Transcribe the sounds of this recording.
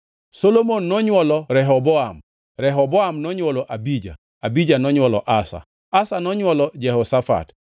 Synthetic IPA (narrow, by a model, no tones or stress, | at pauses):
solomonːɔɲwɔlɔɾɛɦɔbɔam | ɾɛɦɔbɔamnɔɲwɔlɔʔabid͡ʒa̰ | abid͡ʒanɔɲwɔlɔ̰ʔasa̰ | asanɔɲwɔlɔd͡ʒɛɦɔsafa̰t